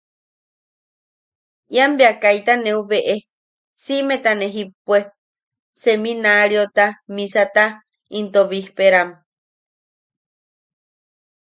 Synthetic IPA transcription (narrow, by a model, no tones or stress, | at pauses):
jambeakajt̪anẽuβeʔe | simet̪aneɦipwe | semĩnaɾjot̪amĩsat̪a | int̪oβihpeɾam